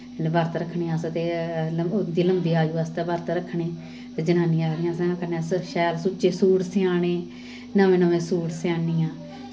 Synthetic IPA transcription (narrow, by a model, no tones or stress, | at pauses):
bəɾt̪ɾəkʰːɳĩːast̪eːləd̪iːləmd̪iːaːd͡ʒuːəst̪ɛːbəɾt̪ɾəkʰːɳeː | t̪eːd͡ʒənaːniːaːɾnɪjãːsɛ̃ːkənsəʃɛːlsʊt͡ʃeːsuːʈsɪaːneː | naʋẽːnəʋẽːsuːʈsɪaːniːãː